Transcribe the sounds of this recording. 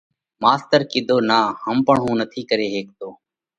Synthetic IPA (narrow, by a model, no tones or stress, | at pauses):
maːst̪əɾkɪd̪ʱoːnaːhəmpəɳɦũːnət̪ʰiːkəɾeːɦeːk̚t̪oː